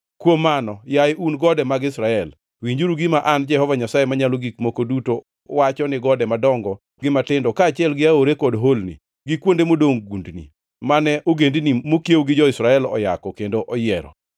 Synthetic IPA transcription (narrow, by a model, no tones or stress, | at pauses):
kwomːanɔjajɪʔunɡɔdɛmaɡɪsɾaɛl | wiɲd͡ʒuɾuɡɪmaʔand͡ʒɛhɔvaɲasajemaɲaloɡikmokoduto | wat͡ʃɔnɪɡɔdɛmadɔŋɡɔ | ɡɪmatɪndɔkaːt͡ʃɪɛlɡɪaoɾekɔdɦolnḭ | ɡɪkwondemodoŋɡundnḭ | manɛʔoɡendnimokjewɡɪd͡ʒɔɪsɾaɛlɔ̰ja̰kɔkendoʔɔjɪɛɾɔ̰